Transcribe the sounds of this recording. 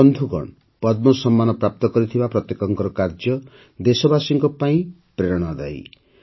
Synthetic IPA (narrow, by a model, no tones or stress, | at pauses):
ɔnd̪ʱuɡɔ̰ɳ | pɔd̪̚mɔsɔmːanɔpɾap̚t̪ɔkɔɾit̪ʰibapɾɔt̪jekɔŋkɔɾɔkaɾd͡ʒjɔ | d̪esɔbasiŋkɔpaĩ | pɾeɾɔɽ̃ɔd̪a̰j